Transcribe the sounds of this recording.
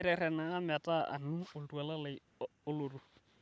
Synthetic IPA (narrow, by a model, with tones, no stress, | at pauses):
ɾɛɾɛ˨na˨a˦mɪa˨tʼa̰˦ʔa̰˨nu˦ʊ˨ltu˨a˨la˦la | ʊ˦lo˨ru˦